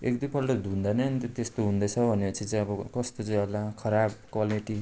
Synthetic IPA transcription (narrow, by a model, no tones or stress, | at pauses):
ekd̪ipʌlɖʌd̪ʱund̪anʌʌnit̪ot̪est̪oɦũnd̪ʌt͡sʰʌbʱʌnepʌt͡sʰĩt͡sãj̃ʌbʌkʌst̪ot͡sʌ̃j̃ʌlakʰʌɾab̚kwaliʈi